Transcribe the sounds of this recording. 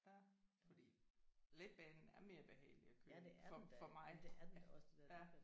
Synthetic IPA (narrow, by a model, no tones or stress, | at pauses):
fɒd̥ḭːled̥̚b̥ɛnn̩æɐme̝ːɐb̥e̝ɦɛ̰ːɪliækʰøːdɒfɒ̽mɑ̈ɪdeɐd̥ɒsd̥d̥æ